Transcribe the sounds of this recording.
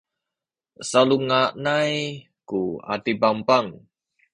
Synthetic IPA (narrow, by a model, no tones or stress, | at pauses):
saluŋaʔnaj | kua̰t̪ibampaŋ